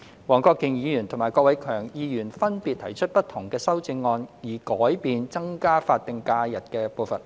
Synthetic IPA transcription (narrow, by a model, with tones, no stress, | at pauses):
wɔː˨˩ŋkɔː˧kːɪ˨ŋjiː˨˧jyː˨˩nt̪ʰʊ˨˩ŋmaː˨˩jkɔː˧k̚wɐ˨˦jkʰœː˨˩ŋjiː˨˧jyː˨˩nfɐ˥npiː˨t̪̚ʰɐ˨˩jt͡ʃʰɵ˥t̚pɐ˥t̪ʰʊ˨˩ŋkɛː˧sɐ˥wt͡sɪ˧ŋːɔː˧njiː˨˩kɔː˨˥jpiː˧nt͡sɐ˥ŋkaː˥faː˧t̚t̪ːɪ˨ŋkaː˧jɐ˨˩t̚kɛː˧poː˧wfɐ˨˩n